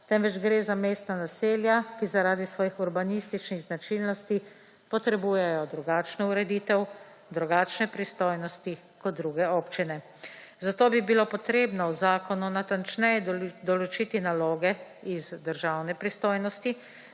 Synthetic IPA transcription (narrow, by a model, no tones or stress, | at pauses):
t̪ɛmʋɛd͡ʒɡɾeːzamest̪nanaseːljakizaɾaːd̪isʋɔːjixuɾbanist̪it͡ʃniɣznat͡ʃilnɔst̪i | pɔt̪ɾɛbuːjɛjɔd̪ɾuɡaːt͡ʃnɔuɾɛd̪iːt̪ɛw | d̪ɾuɡaːt͡ʃnɛpɾist̪oːjnɔst̪i | kɔt̪̚d̪ɾuɡɛoːpt͡ʃinɛ | zat̪oːbibilopɔt̪ɾeːbnɔwzaːkɔnunat̪ant͡ʃnɛjɛd̪ɔlɔt͡ʃiːt̪inaloːɡɛizd̪əɾʒawnɛpɾist̪oːjnɔst̪i